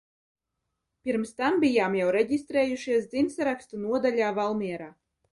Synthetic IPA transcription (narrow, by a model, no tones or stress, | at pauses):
pʲiɾmst̪ambijaːmjawɾɛɟʲist̪ɾeːjuʃiɛs̬d̪zinsaɾakst̪unuɔd̪alʲaːvalˠmiɛɾaː